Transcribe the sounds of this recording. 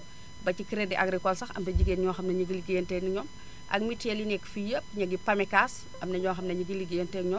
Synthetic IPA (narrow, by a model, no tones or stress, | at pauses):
bɐcikiɾɛdɛʔɐɡɾikɔlsɐxɐ̰mtɐɟiɡeːnɲɔːxɐmnɐɲiɡiliɡentɛːniɲɔːm | ʔɐ̰kmitɛlinɛkfijəp̚ɲɐɡipɐmɛkaːs | ʔɐmnɐɲɔːxɐmnɐɲiɡiliɡentɛɲɔː